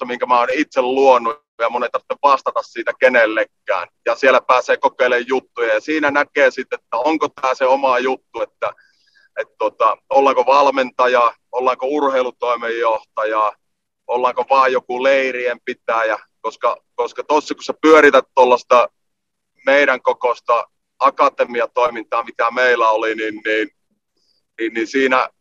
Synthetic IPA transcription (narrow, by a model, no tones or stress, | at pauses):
ɑmiŋkæmæonit̪selluonːu | jɑmonet̪ːɑrt̪ːeʋʋɑst̪ɑt̪ɑssiːt̪ækenelːekːæ̰ːnjɑsielˑæpæːseːkokeˑilejjut̪ːujɑjɑsiːnænækeːsit̪ːˑet̪ːæoŋkot̪æːseomɑjut̪ːuet̪ːæ | et̪t̪uot̪ɑolːɑŋkoʋɑlment̪ɑjɑː | olːɑŋkourheˑilut̪oˑimejːoht̪ɑjɑː | olːɑŋkoʋɑːjjokuleiriempit̪æːjɑ | koskɑkoskɑt̪osːɑkusepyøɾit̪æt̪t̪olːɑst̪ɑ | meiɾæŋkokost̪ɑ | ɑkɑt̪emiɑt̪oimint̪ɑːmit̪æmeilːˑæoliniːnniːn | niːnnisiːnæ